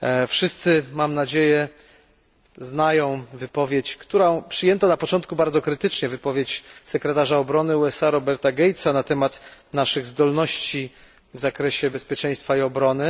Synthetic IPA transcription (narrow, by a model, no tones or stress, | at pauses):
fʂɘst̪sɘmamnad͡ʑejɛ | znajɔ̃w̃vɘpɔvʲjet͡ɕkt̪uɾɔ̃pʂɘjɛnt̪ɔnapɔt͡ʂɔnt̪̚kubaɾd̪zɔkɾɘt̪ɘt͡ʂɲɛvɘpɔvʲjet͡ɕsɛkɾɛt̪aʐaɔbɾɔnɘuɛsaɾɔbɛɾt̪aɡʲɛjt̪sanat̪ɛmat̪naʂɘɣzd̪ɔlnɔɕt͡ɕi | vzakɾɛɕɛbɛspʲjɛt͡ʂɛ̃j̃st̪faiɔbɾɔnɘ